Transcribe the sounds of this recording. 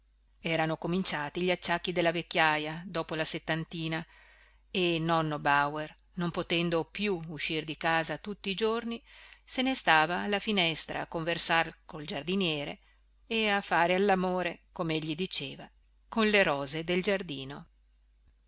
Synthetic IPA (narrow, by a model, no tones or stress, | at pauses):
ɛːɾanokomint͡ʃaːt̪iʎiat͡ʃːakːid̪elːavekːjajad̪ɔːpolaset̪ːant̪iːna | enɔnːobawer | nompot̪ɛnd̪opjuuʃːird̪ikaːzat̪ut̪ːiːd͡ʒornisenest̪aːvaːlːafinɛst̪ɾa̰ːkːoɱversarkold͡ʒard̪injɛːɾḛ | eafːaːɾealːamoːɾekomeeʎːid̪it͡ʃeːva | konleɾɔːzed̪eld͡ʒard̪iːno